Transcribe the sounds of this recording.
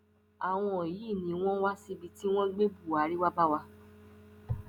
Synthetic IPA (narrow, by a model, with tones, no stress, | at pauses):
a˨w̃ɔ̃˧˦˨ji˨˦˨nĩ˨˦w̃ɔ̃˦wa˦si˧bi˧ti˦w̃ɔ̃˦ɡ͡be˦bu˦˨a˨˦ɾi˦wa˦ba˦wa˧